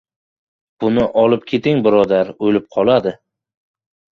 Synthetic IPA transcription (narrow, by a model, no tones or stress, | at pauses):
b̥ʊnɪʔɒlɪp̚kʲʰe̞t̪ɪŋbɪɾɒd̪aɾojlɪp̚qʰɒlˠad̪ɪ